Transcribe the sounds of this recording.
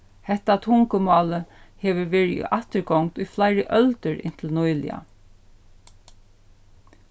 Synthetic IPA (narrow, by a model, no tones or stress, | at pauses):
hɛht̪at̪ʰʊŋkəmɑːləhɛːʋəʋeːɹḭʔaht̪əɹɡɔwŋkt̪ʊjflajɾəʔœlt̪əɹɪ̰n̥t̪ʰɪlnɔjlɪ̰a̰